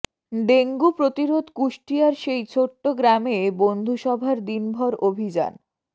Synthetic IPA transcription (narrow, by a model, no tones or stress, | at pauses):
ɖeŋɡupɾot̪iɾod̪kuʃʈiaɾʃejt͡ɕʰoʈːoɡɾamebond̪ʱuʃɔbʱaɾd̪inbʱɔɾobʱid͡ʑa̰n